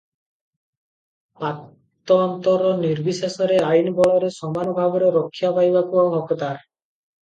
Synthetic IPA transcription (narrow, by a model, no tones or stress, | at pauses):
pa | t̪ːɔɔnt̪ɔɾɔniɾbʱisesɔɾeajnbɔɭɔɾesɔmanɔbʱabɔɾɔɾɔkʰːjapajbakubɔŋɔkt̪aɾ